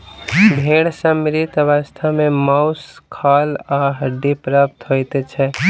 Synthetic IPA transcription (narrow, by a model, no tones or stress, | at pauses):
bʱeɽsəmɾit̪ʋast̪ʰamemaʊskʰalaɦəɖipɾəp̚t̪ɦojt̪ɛt͡ʃʰɛ